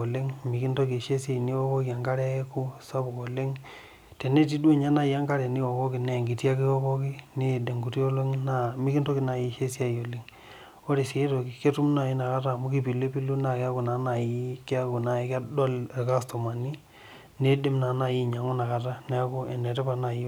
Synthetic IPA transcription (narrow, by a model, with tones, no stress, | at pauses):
o˨le˦ŋmi˨ki˦nto˦ki˨ʃe˦se˦˨ni˦wo˦ko˦ki˨a˨ŋɡa˦ɾɛ˦e˦ku˦sa˦bu˨ko˨le˦ŋ | te˨ne˦ti˦du˦e˦˨ɲa˦na˦˨ji˨a˦ŋɡa˦ɾɛ˨ni˦wo˨ko˦ki˨ne˨ŋɡi˨tja˦ki˦wo˦kɔ˦ki˦ne˦˨de˨ŋɡu˨ti˦o˦lo˦ŋna˦mi˦ki˦nto˦ki˨na˨ji˨ʃe˦sa˦˨jo˨li˦ŋ | o˦ɾi˨se˨˦to˨ki˨ke˦tu˦mna˨ji˦na˨ka˦ta˦˨mu˦ki˦pi˨lo˦pi˦lu˦na˨ke˦a˦ku˨na˨˦na˨ji˦ke˦a˦ku˨na˨e˨ka˦dɔ˦le˨ka˦sto˨ma˨ni˦ | ne˦de˦mna˨na˨ji˦˨ɲa˨ŋu˦na˨ka˨ta˦nɛ˦a˦ku˦ɛ˨ne˨tɛ˦pa˨na˨ji˦